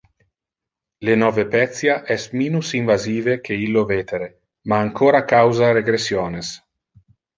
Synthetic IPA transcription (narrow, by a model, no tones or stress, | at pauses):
lenɔːvepɛt̪sjaʔɛsmiːnusiɱvaziːvekʰeilːoveːt̪eɾe | maːŋkʰoːɾakawzaɾeɡɾesjoːnes